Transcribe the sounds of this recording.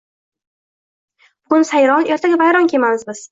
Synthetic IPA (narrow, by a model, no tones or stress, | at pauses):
b̥ʊɡʊnsajɾɒne̞ɾt̪ʰaɡʲavajɾɒnkʲʰe̞mamɪzbɪz̥